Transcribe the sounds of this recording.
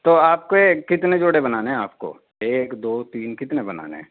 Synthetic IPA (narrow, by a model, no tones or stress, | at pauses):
t̪oːaːp̚koekɪt̪ned͡ʒoːɽebɐnaːneɦɛ̃a̰ːpko̰ː | eːkd̪oːt̪iːnkɪt̪nebɐna̰ːnḛɦɛ̰̃ː